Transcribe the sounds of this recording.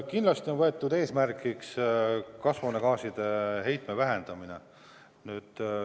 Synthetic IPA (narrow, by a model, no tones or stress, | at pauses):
kinlɑst̪io̞nvɤe̞t̪ːˑud̪e̞ːsmærkˑikskɑsvonekɑːsid̪̥e̞ɦe̞jt̪ˑmevæɦend̪̥ɑminḛ | nyːd̪̥